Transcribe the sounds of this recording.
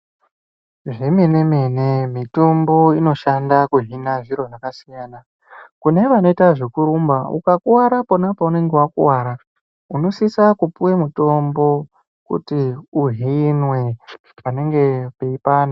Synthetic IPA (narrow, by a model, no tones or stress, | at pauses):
ʐe̞me̞ne̞me̞ne̞mito̞mbo̞ino̞ʃandakuɦinaʐiɾo̞ʐakasijaːna | kune̞ʋano̞itaʐekuɾumbaṵkakuwaɾapo̞napaune̞ŋɡe̞wakṵwaːɾa | uno̞sisakupuwemuto̞mbo̞ | kṵtiuɦiinwe̞ | pane̞ŋɡe̞pe̞ipaːna